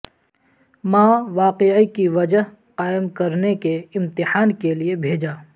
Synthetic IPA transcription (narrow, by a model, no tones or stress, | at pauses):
mãːʋaːqeikiʋɐd͡ʒəɦ | qaːɪmkɐɾnekeɪ̃mt̪ɪħaːnkeliebʱeːd͡ʒaː